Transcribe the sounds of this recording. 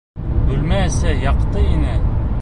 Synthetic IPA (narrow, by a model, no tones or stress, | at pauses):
bʉlmæsæjɑqt̪ɤinɘ